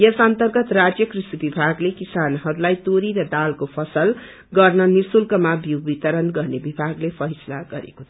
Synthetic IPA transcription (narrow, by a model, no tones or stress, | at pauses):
jʌsʌnt̪ʌrɡʌt̪rad͡zjʌkrisibibʱaɡlekisanɦʌɾulajt̪oɾiɾʌd̪alkopʰʌsʌl | ɡʌrnʌnisulkʌmabjuwbit̪ʌɾʌnɡʌrnebibʱaɡlepʰʌjsʌla̰ɡʌɾḛkot̪ʰʌ